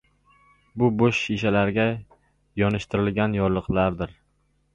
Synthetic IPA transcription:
bʊboʃʃiʃalaɾɡʲa | jɒnɪʃt̪ʰɪɾɪlɡʲanjɒɾlˠɨqlˠaɾd̪ɪɾ

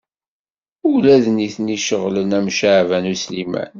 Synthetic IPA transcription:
ulæðniθniʃəʁlənæmʃaʕvænuslimæ̰n

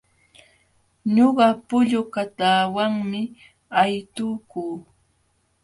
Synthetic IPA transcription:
ɲoɢɑpʊʎʊkat̪aːwaŋmɪ | ajt̪ʊkuː

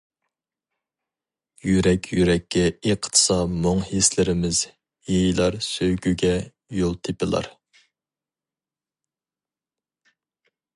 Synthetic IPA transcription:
jyɾɛkʲʰjyɾɛkʲːɛiqʰt̪ʰɨ̥sɑmoŋhislɪɾɪmɪz | jejilˠɑɾsøwɡʲyɡʲɛ | jolˠt̪ʰɪpɪlˠɑ̰ɾ

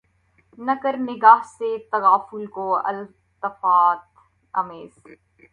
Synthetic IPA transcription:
nɐkəɾnɪɡaːɦset̪ɐɣaːfʊlkoɐ̰l | t̪ɐfaːt̪ | ɐmeːz̥

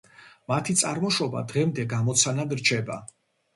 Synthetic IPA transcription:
mat̪ʰit̪sʼaɾmɔʃɔba̰d̪ʁɛmd̪ɛɡamɔt̪sʰanad̪ɾt͡ʃʰɛba̰

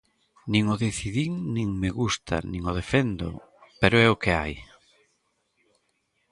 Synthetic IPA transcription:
nĩŋoðeθiðiŋnĩŋmeɣust̪ʰa̰nĩŋoð̞efɛnd̪ʊ̰ | peɾʊɛokea̰j

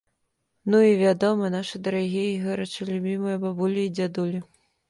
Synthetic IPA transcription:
nuivʲad̪ɔmɨnaʂɨd̪ɐɾaɣʲijiɣɛɾɐt͡ʂɨlʲubʲimɨjɐbɐbulʲiːd͡zʲad̪ulʲi

